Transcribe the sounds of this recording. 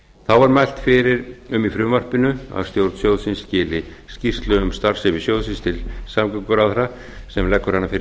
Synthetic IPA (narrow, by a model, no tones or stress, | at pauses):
θawvaɾmajl̥t̪fɪɾɪɾʏmifɾʏːmar̥pɪnʏa̰vst̪jowɾt̪sjowðsɪnsːcɪːlɪ | scir̥t̪lʏʏmst̪aɾ̥sɪvɪ̥sjowðsɪnst̪ʰɪlsamkʏkʏɾaðɾa | sɛmlɛkːʏɾ̥hanːafɪɾ